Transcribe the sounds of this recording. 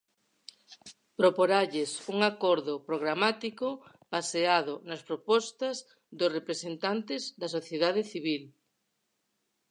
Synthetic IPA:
pɾopoɾaʎesuŋakɔɾðopɾoɣɾamat̪iko | baseaðʊnaspɾopɔst̪ɐz | ðosrepɾesent̪ant̪ezðɐsoθjeðaðeθiβ̞il

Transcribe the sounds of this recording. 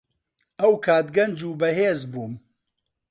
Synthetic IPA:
ɐwkʰaːd̪ɡɐnd͡ʒuːbɐɦeːzbuːm

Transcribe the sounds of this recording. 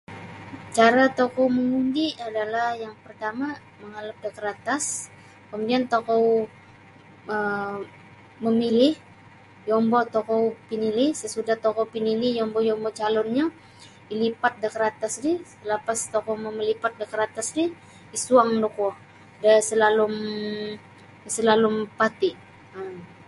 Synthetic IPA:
t͡ʃaɾat̪okɔwməŋundiadalahjaŋpərt̪ama | məŋalap̚dəkəɾat̪as | kəmudiant̪okɔw | ə | məmilɪh | jɔmbɔt̪ɔkɔpinilɪhsəsudaht̪okɔwpinilɪhjɔmbɔjɔmbɔt͡ʃalɔnɲa | ilipat̪̚dəkəɾat̪asdisəlapast̪okɔwməməlipat̪̚dəkəɾat̪asdi | isuaŋdɔkwɔ | dəsəlalʊm | səlalʊmpat̪iʔ | əm

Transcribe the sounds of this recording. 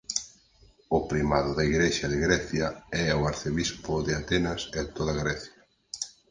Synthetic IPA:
ʊpɾimaðʊðɐiɣɾeʃɐðɪɣɾɛθjɐɛʊaɾθeβispʊðɪat̪ɛnɐseðt̪oðɐɣɾɛθjɐ

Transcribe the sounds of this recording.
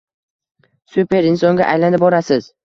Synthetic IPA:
supe̞ɾɪnsɒŋɡʲa̰ʔajlanɪp̚bɒɾasɪz̥

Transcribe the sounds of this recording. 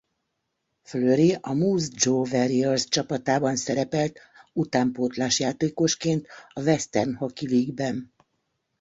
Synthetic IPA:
fløːɾeʔɒmuːzd͡ʒoːvɛɾiɔrst͡ʃɒpɒt̪aːbɒnsɛɾɛpɛlt̪ut̪aːmpoːt̪laːʃjaːt̪eːko̞ʃkeːnt̪ɒvɛst̪ɛrnhokiviːɡbɛn

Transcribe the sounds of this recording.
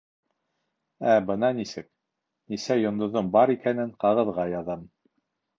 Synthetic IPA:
æbɤnɑnisɘk̚ | nisæjŏnd̪ŏðombɑɾikænɘɴqɑʁɤ̆ðʁɑjɑðɤm

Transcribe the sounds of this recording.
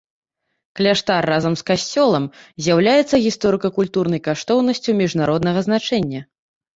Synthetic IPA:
klʲaʂt̪arːazɐmskasʲt͡sʲɔlˠɐmzʲjawlʲajɛt̪sːɐɣʲist̪ɔɾɨkɐkulʲt̪urnɐjkaʂt̪ɔwnɐsʲt͡sʲumʲiʐnaɾɔd̪nɐɣɐznat͡ʂɛnʲːɐ

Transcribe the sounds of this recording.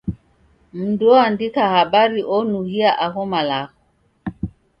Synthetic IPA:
m̩duandikahabaɾiʔɔnuhiaʔaɣɔmalaɣɔ

